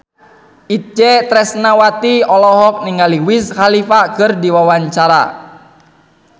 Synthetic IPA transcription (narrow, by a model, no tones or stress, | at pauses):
ʔit͡ʃɛt̪ɾɛsnawat̪iɔlɔɦɔk̚niŋaliwishalifakərdiwawaɲt͡ʃaɾa̰